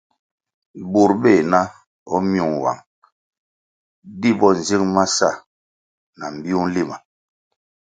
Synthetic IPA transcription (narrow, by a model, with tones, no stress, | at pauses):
bu˨ɾbe˦˨na˦ | ɔ˦mju˨ŋ˨wa̰˨ŋ | di˦bɔ˦n̩˨zi˦ŋma˦sa˦˨ | na˨m̩˨bi˦u˦n̩˦li˦˨ma˨